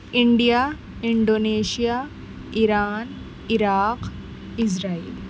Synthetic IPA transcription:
iɳɖija | iɳɖoːneɕija | iɾaːn | iɾaːq | isɾaːil

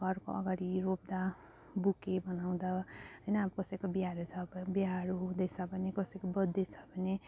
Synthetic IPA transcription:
kʌrko̰ʌ̰ɡaɾiɾob̚d̪a | bukebʌnaw̃d̪aɦʌjnʌkʌsʌjkobiɦaɾet͡sʰʌbbjɦaɾud̪ʌsabʱʌnekʌsʌjkobʌd̪ːet͡sʰʌ̥bʱʌne

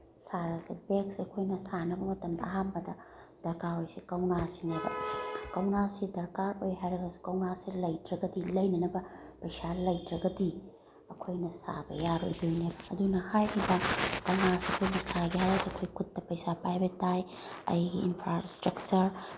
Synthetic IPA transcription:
saɾɐsibeksɐkʰojnɐsanɐbɐmɐtɐmdɐːɦambɐdɐ | d̥ɐɾkaɾojsikɐwnasinɐdɐ̰kɐwnasidɐɾkaɾojɦajɾɐɡɐsi̥kɐwnasilɐjtɾɐɡɐdilɐjnɐnɐbɐpɐjsalɐjtɾɐɡɐdi | ɐkʰojnɐsa̰bɐ̰jaɾo̰jdojnebɐɐdunɐhajɾʰibɐkɐwnasiɐkʰojnɐsaɡihaɾajdɐɐkʰojkʰut̚ːɐpɐjsapɾajbʱetːaj | ɐ̰jɡiinpʰɾastɾɐk̚t͡ʃɐɾ

